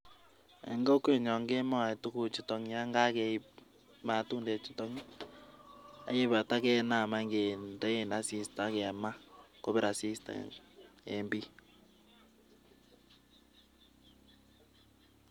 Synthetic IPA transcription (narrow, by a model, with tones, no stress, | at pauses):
ḛ˨ŋɡɔ˦ke˦˨ɲɔ˨ŋɡe˦ma˦a˨tu˦ku˨t͡ʃi˨tɔ˨ŋja˦ŋɡa˦kɛ˨˦i˦ | ma˨tuː˦nde˨t͡ʃi˨tɔ˦ŋ˦ | a̰˨je˦βa˨ta˦kɛ˦na˨ma˦ŋɡe˨ndɛ˦e˦na˨si˦sta˦kɛ˨ma˦ko˦βe˦ɾa˨si˦sta̰˨ | ḛ˨mbi˦